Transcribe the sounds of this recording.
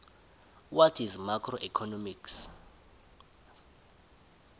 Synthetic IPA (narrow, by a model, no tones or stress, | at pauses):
watʰizmakʰrɔʔikʰɔnɔmiks